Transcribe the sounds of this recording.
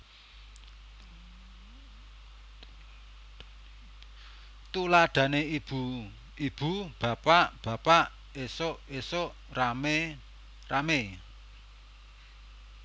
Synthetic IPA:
t̪ulaɖ̪̥ä̤neib̥u | ib̥ṳb̥a̤paʔb̥ä̤paʔ | esoʔesoʔ | rame | rame

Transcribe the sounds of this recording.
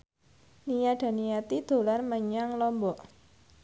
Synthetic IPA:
nijaɖ̥a̤nijat̪id̪̥o̤larməɲaŋlɔmbɔʔ

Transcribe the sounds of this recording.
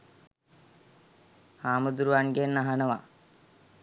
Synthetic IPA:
haːmud̪uɾuʋanɡenːaɦanəʋa̰

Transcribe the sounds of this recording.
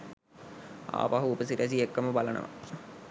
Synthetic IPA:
a̰ːpaɦuːpəsiɾæs̬iekːəməbalɐnə̰ʋa̰

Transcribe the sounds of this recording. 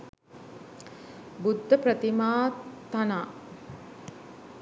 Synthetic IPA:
bud̪ʱːəpɾət̪imaːt̪anaː

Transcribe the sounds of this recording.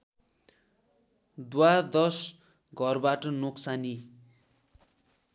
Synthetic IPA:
d̪wad̪ʌs | ɡʱʌrbaʈʌnoksani

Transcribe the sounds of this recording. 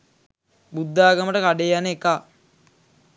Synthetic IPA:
bud̪ːaːɡəməʈəkaɖeaneka

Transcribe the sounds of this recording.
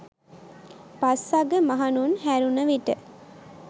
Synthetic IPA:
pasaɡəmaɦanunhæɾunəʋiʈə

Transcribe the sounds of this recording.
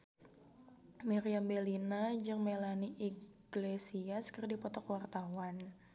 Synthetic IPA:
miɾiambelinad͡ʒɨŋmelaniʔiɡ̥lesiaskərdipɔt̪ɔkwart̪awan

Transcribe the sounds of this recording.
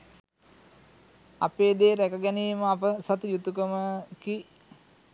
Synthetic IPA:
a̰peːd̪eːɾækəɡɛniːməapəsat̪ujut̪ukəməki

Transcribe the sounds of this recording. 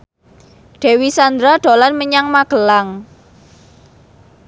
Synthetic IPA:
ɖ̥e̤wisand̪ɾaɖ̥o̤lanməɲaŋmaɡ̥ə̤laŋ

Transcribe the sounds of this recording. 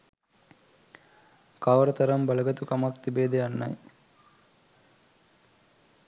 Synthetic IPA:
kaʋɐɾɐt̪ɐɾɐmbɐlɐɡɐt̪ukɐmɐkt̪ibeːd̪eɐnːɐ̰j

